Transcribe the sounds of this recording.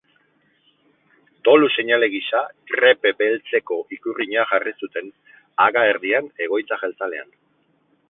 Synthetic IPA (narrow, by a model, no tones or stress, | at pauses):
t̪o̞luse̞ɲale̞ɣiʃakɾe̞pe̞be̞lt͡se̞ko̞ʔikuriɲeaʝarisut̪e̞n | aɣaeɾðiane̞ɣ̞o̞jt͡saʝelt͡sale̞a̰n